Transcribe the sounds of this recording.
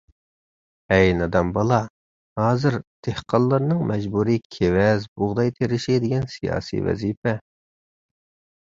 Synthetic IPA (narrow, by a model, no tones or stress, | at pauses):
ɛjnɑd̪ɑmbɑlˠɑ | hɑːzɨɾd̪̥ʰehqʰɑllːˠɑɾnɨŋmɛd͡ʒbuɾikʲʰewɛzbʊʁd̪ɑjt̪ʰeɾɪʃid̪ɪɡʲɛnsijɑ̰ːsḭvɛ̰zipʰɛ